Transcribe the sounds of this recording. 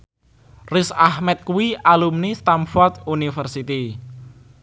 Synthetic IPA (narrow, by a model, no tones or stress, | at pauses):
rɪsahmɛt̪̚kuwiʔalumnist̪amfɔrt̪unifərsit̪i